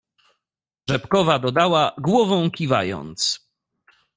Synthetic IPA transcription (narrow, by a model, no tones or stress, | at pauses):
ʐɛpkɔvad̪ɔd̪awaɡwɔvɔ̃w̃kʲiva̰jɔ̰nt̪s